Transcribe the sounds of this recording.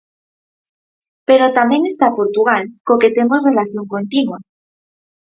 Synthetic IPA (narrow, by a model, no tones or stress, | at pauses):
pe̞ɾot̪amje̞ŋe̞st̪apo̞ɾt̪uɣ̞alkoke̞t̪e̞mo̞zre̞laθjo̞ŋko̞nt̪inwa